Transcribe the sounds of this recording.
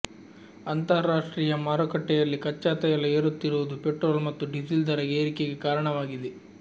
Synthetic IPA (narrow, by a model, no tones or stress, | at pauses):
ɐnt̪ɐɾːaːʂʈɾiːjɐmaːɾɔkɐʈːɛjɐlːikɐt͡ʃːaːt̪ɐjɐlːɐeːɾut̪ːiɾuʋɐd̪upeʈɾoːlmɐt̪ːuɖisild̪ɐɾɐɡeːɾikeɡekaːɾɐɳɐʋaːɡid̪e